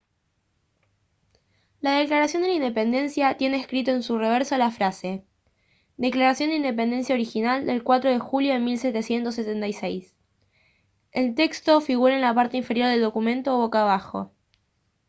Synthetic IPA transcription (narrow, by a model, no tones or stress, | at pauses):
lað̞eklaɾasjo̞nd̪elaind̪e̞pe̞nd̪e̞nsjat̪je̞ne̞ːskɾit̪o̞e̞nsure̞β̞eɾsolafɾase̞ | d̪e̞klaɾasjo̞nd̪eind̪e̞p̬e̞nd̪e̞nsjao̞ɾixinald̪e̞lkwat̪ɾo̞ð̞e̞xuljo̞ðemilset̪e̞sje̞nt̪o̞sːet̪ent̪ajsejs | elt̪e̞kst̪o̞fiɣuɾaenlapaɾt̪e̞iɱfeɾjo̞ɾðe̞ld̪okumẽnt̪oβo̞kaβ̞axo̞̰